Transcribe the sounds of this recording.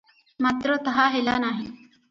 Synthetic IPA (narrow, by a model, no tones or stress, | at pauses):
maːt̪ɾot̪əɦaːɦelaːnaːɦi